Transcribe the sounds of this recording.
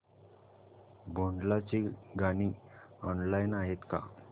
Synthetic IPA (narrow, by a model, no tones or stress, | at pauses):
bʱoɳɖlat͡ɕiɡaniɔnlajnaɦet̪ka̰